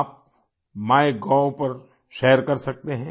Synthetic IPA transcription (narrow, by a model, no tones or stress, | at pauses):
aːp̚ | maːeɡãːpɐɾ | ʃɛːəɾkɐɾsɐk̚t̪eɦɛ̃